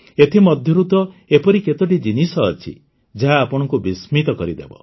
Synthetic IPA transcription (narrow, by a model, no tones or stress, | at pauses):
et̪ʰimɔd̪ʱjɔɾut̪ɔepɔɾiket̪ɔʈ̬id͡ʒinisɔːt͡ʃʰḭ | d͡ʒaɦaːpɔɽ̃ɔŋkubismit̪ɔkɔɾid̪ḛbɔ̰